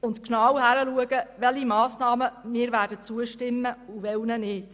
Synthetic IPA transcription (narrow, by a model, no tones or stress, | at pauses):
ʊntknɑwhæɾəluəɡəʋɛlhimɑːsnɑːməmɪːɾvæːdət͡suəʃtɪmːəuʋɛlnənɪːt